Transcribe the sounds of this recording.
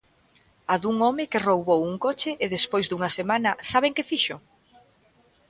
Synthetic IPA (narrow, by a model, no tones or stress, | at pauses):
aðuŋɔmɪkɪrowβowuŋkot͡ʃɪʔːðespojzd̪uŋɐsemanɐsaβ̞eŋkɪfiʃʊ